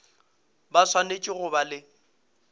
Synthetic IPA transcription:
baswanet͡ʃʼɪɣʊbalɪ

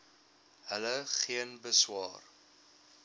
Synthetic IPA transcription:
ɦələχiənbəswɑ̰ːr

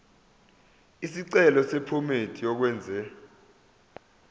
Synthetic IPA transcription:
isiǀɛlɔsɛpʰɔmetʰijɔk̬wɛːnd͡zʱɛ

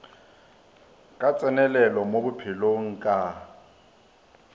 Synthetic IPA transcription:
kʼat͡sʼɛnɛlɛlɔmobʊpʰɪloŋ̩kʼa

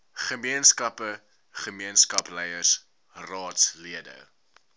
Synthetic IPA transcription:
χəmiənskɐpə | χəmiənskɐplɛjərs | rɑːtsliədə̰

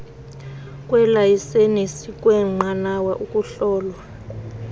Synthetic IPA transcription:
kʼwɛlajisenesikʼwɛŋ͡ǃanawaʔukʼuɬɔːlwa

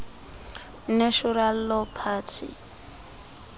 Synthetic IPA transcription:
neʃʊɾal̩lɔpʰaːtʰḭ

